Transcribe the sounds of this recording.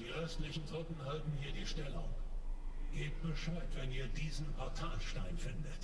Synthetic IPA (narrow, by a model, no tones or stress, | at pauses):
d̥iːʔœstlɪçn̩zɔtn̩ɦaltn̩hiːɐdiːʃtɛlʊ̰ŋ | ɡ̥eːt̚b̥əʃaɪtv̥ɛniːɐdiːzn̩pʰɔɐtʰaːlʃtaɪnfɪndət